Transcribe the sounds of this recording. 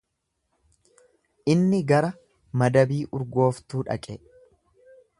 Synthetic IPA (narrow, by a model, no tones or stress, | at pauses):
ʔɪnːɪɡɐɾɐ | mɐd̪ɐbiːʔʊɾɡo̞ːft̪uːᶑɐ̰kʼɛ